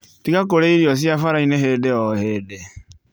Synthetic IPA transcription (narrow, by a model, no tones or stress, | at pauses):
tikakoɾeiɾijɔs̬iafaɾaineɦeːdeɔhede